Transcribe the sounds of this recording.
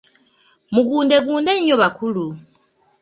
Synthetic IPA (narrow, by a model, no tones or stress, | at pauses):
muɡuːndeɡuːndeɲoβakulu